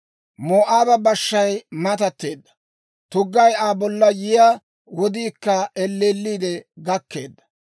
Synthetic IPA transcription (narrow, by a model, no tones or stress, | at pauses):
moːʔaːbɐbɐʃːɐjmɐt̪ɐt̪ːe̞ːd̪ːɐ̥ | t̪ʊɡːɐjaːbɔlːɐjɪjaː | wɔd̪iːkːɐɛlːeːlːiːd̪ɛɡɐkːe̞̰ːd̪ːɐ̥